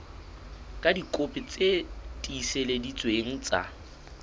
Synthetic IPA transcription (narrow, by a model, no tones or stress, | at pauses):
kʼadikʼopʼɪt͡sʼetʼiːseledit͡sʼweŋ̩t͡sʼa̰